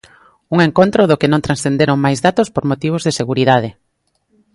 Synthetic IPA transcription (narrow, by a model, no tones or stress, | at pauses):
uŋeŋkont̪ɾʊðʊkɪnõŋt̪ɾansθend̪eɾoŋmajzðat̪ospoɾmot̪iβ̞ozðeseɣuɾiðaðɪ